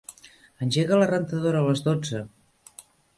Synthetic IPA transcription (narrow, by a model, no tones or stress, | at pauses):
ənʲʒeɣələrənt̪əðoɾəːləzðod͡zə